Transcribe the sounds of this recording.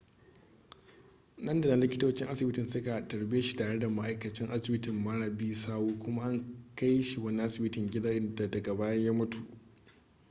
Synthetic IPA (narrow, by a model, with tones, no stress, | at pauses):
nɐ˦nda˨na˨lɪ˦kʲɪ˦toː˦t͡ʃɪ˦ŋʔa˦sɪ˨bɪ˦tɪ˨nsʊ˦ka˨tɐ˨ɾbɪ˦ja˦ʃi̥˦taː˨ɽe˦da˨ma˦ʔa˦jkɐ˨t͡ʃɪ˦ŋʔa˦sɪ˨bɪ˦tɪ˨mːa˦ɽa˨biː˦saː˦wuː˦kʷʊ˦ma˦ʔa˦ŋka˦jʃi˨wɐ˦ni˦ʔa˦sɪ˨bɪ˦tɪ˨ŋɡʲɪ˦da˦ʔɪ˦nda˨dɐ˨ɡa˨baː˦jɐ˦jaː˦mʊ˦tu˨ʔ